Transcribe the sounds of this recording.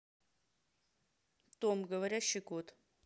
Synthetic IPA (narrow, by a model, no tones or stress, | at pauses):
t̪omɡəvɐɾʲaɕːɪkot̪